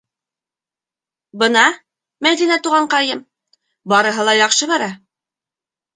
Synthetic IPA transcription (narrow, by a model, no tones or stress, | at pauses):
bɤ̆nɑ | mæjd̪inæt̪uʁɑɴqɑjɤm | bɑɾɤ̆ɦɤlˠɑjɑqʃɤβæɾæ